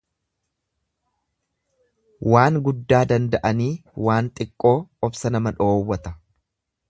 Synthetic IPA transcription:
waːŋɡʊd̪ːaːd̪ɐnd̪ɐʔɐniːwaːnt̪ʼɪkʼːo̞ːɔbsɐnɐmɐᶑo̞ːwːɐt̪ɐ

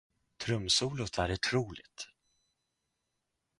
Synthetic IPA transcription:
t̪ʰɾɵmsuːlʊt̪ʰæɾʊʈʰɾuːlɪ̰ɡt̪

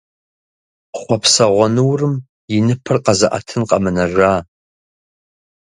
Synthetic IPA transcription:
χʷɔpʰsɐʁʷɔnɨwrɨm | jɪnɨpʰɨrqɐzɨʔa̰tʰɨnqɐmɨnɐʒʷaː

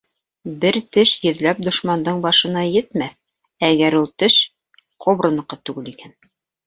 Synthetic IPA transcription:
bɘɾt̪ɘʃjɵ̆ðlæp̚d̪ŏʃmɑnd̪ɤɴbɑʃɤ̆nɑjɘ̆t̪mæθ | æɣæɾulˠt̪ɘʃ | qʰŏβɾɤ̆nɤ̆qːɤt̪ʉɡɘlikæn

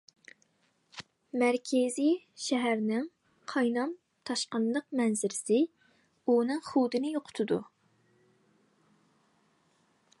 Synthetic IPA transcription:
mæɾkʲʰezij | ʃɛɦæɾnɪŋ | qʰɑjnɑm | t̪ʰɑʃqɑnlˠəqmɛnzɪɾɪsɪ | unɨŋχud̪ɨnɪjoqʰʊ̥t̪ʰʊd̪u

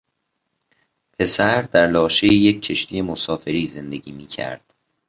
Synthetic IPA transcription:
pʰe̞sæɾd̪̥æɾlɒːʃejejecʰːe̞ʃt̪ʰije̞mosɒːfe̞ɾiːze̞nd̪e̞ɟiːmiːcʰæ̰ɾd̪̥

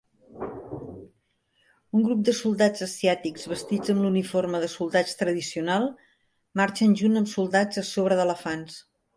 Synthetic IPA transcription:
uŋɡɾup̚d̪əsulˠd̪ad͡zəsiat̪ikz̥βəst̪id͡zəmluniforməðəsulˠd̪at͡ʃt̪ɾəðisiunalˠ | maɾt͡ʃənʲʒunəmsulˠd̪ad͡zəsoβ̞ɾəðələfans

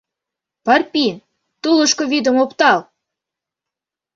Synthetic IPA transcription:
pɑrpʲin | t̪ulˠə̆ʃkovʲid̪ə̆mopt̪ɑlˠ

